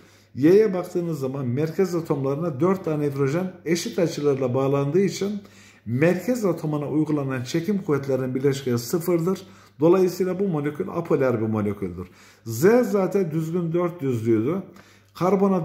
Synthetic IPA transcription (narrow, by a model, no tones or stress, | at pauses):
jejɛbakt̪ʰɯːnɯzːamanmæɾcʰɛzat̪ʰo̞mlˠaɾɯnad̪øɾt̪ːaned̪ɾo̞ʒɛneʃit̪at͡ʃʰɯlˠaɾɯlˠabaːlˠand̪ɯːit͡ʃʰin | mæɾcʰɛzat̪ʰo̞munaʔujɡulˠanant͡ʃʰe̞cʰimkʰuvɛt̪lʲeɾininbiɾlʲɛʃcejisɯfɯɾd̪ɯɾ | d̪o̞lˠajɯsɯjlˠabumo̞lʲecʰʲylʲa̰pʰolʲæɾbimo̞lʲecʰylʲd̪iɾ̥ | zɛzaːt̪ʰɛnd̪yzɡʲynd̪øɾt̪̚j̪yzlʲyjd̪ʊ | kʰaɾbo̞na